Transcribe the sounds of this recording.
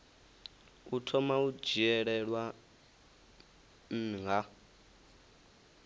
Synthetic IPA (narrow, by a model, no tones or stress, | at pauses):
utʰɔmau̥d͡ʒ̥ʱiɛɺɛɺwa | m̩ŋɡa